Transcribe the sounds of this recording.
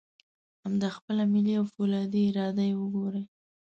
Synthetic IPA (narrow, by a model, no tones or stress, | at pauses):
hamd̪ɑxpəlamɪliawfulɑd̪iɪɾɑd̪ajewəɡoɾəj